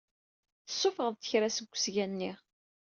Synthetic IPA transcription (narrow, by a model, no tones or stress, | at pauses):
θə̥sːʊfəʁðˤt̪ə̥çɾæsəɡʷːsʝænːiʁ